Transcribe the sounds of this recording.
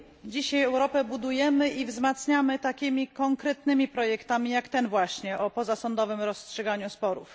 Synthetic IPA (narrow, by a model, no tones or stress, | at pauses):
d͡ʑiɕajɛwɾɔpɛbud̪ujɛmɘʔivzmat̪sɲamɘt̪akʲimʲikɔŋkɾɛt̪nɘmʲipɾɔjɛkt̪amʲijakt̪ɛnvwaɕɲɛʔɔpɔzasɔnd̪ɔvɘmɾɔstʂɛɡaɲuspɔɾṵf